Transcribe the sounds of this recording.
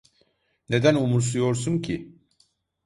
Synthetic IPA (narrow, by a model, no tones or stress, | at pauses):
ne̞d̪ænumuɾsujo̞ɾsuncʰi